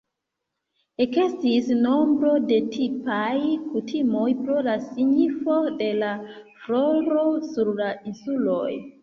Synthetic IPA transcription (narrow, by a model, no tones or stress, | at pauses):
ekestisno̞mbɾo̞de̞tʰipajkutʰimo̞jpɾo̞lasiɲifo̞de̞la | fɾo̞ɾo̞suɾlainsulo̞̰j